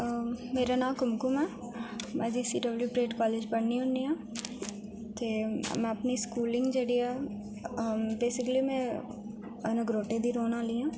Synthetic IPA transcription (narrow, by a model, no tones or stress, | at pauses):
meːɾanãːkʊmkʊmɛ | mɛ̃d͡ʒisiɖɐbljuːpɾeːʈkɔːleːd͡ʒpɐɳniʊnːiãː | t̪eːmɛ̃ɐpniskuːlɪ̃ŋɡd͡ʒəɽiɛ | beːsɪkəlimɛ̃ | ɐnɛ̃ɡɾoːʈed̪iɾoːnaːliãː